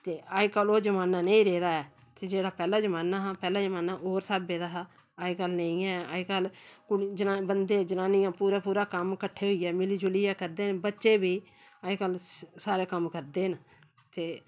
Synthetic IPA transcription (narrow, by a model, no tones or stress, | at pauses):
t̪eːaːikəloːd͡ʒəmaːnaːneĩːɾeːd̪aːɛː | t̪eːd͡ʒeːɽaːpɛːlaːd͡ʒəmaːnaːɦapɛːlaːd͡ʒəmaːnaːoːɾsaːbeːd̪aːɦa | aːiːkəlnəĩːɛːa̰ːikəlkʊd͡ʒəabənd̪eːd͡ʒənaːniːãːpuːɾaːpuːɾaːkəmkəʈʰːeːɦʊiːɛːmɪliːd͡ʒʊliːɛːkəɾd̪eːnbətːʃeːbiː | aikəlsaːɾeːkəmkəɾd̪eːn | t̪eː